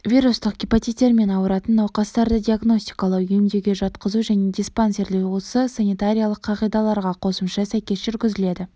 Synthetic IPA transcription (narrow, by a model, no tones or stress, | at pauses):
vʲijɾust̪əq̚ɡʲipot̪it̪ʲːeɾme̞nɑwəɾɑt̪ənːɑwqɑst̪ɑɾd̪əd̪ʲiaɡno̞sʲt̪i̥jkɑlˠəqʏjɪmd̪e̞ɡʲe̞ʒɑt̪qəzuʒæne̞d̪ʲispanse̞ɾlewusəsanʲijt̪aɾʲijalˠəqʰːɑʁijd̪ɑlˠɑɾʁɑqʰo̞səmʃɑsæjkʲe̞sʒʏɾɡʲɪzɪle̞d̪ɪ